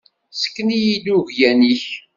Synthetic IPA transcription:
sə̥kːnijid̪uʝjæniç

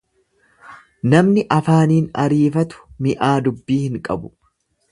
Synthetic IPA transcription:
nɐmnɪʔɐfaːniːnɐɾiːfɐt̪ʊ̥mɪʔaːd̪ʊbːiːhɪŋkʼɐbʊ̥

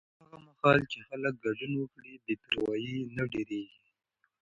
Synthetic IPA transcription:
aɣaməhɑlt͡ʃexalək̚ɡad͡ʒunwəkɽibet̪aɾwɑjinaɖeɾeɡi

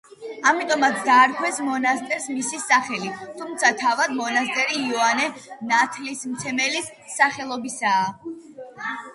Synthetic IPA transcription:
amit̪ʼɔmat̪sʰd̪aːɾkʰwɛsmɔnast̪ʼɛɾsmisisaχɛlit̪ʰumt̪sʰat̪ʰavad̪mɔnast̪ʼɛɾiːɔanɛnat̪ʰlismt̪sʰɛmɛlisː | aχɛlˠɔbisaː

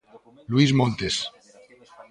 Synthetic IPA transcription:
lwizmõnt̪es

